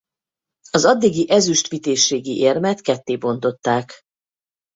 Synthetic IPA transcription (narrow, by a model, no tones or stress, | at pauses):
ɒzɒd̪ːiɡiʔɛzyʃt̪ʋit̪eːʃːeːɡiʔeːrmɛt̪kɛt̪ːeːbo̞nt̪o̞t̪ːaːk